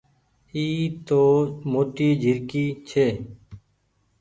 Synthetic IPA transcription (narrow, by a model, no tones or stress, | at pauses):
iːt̪oːmoːʈiːd͡ʒʱɪɾkiːt͡ʃʰeː